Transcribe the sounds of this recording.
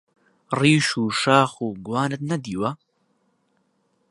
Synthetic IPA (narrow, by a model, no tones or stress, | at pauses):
riːʃuːʃaːxuːɡwaːnɨt̪̚nɐd̪iːwɐ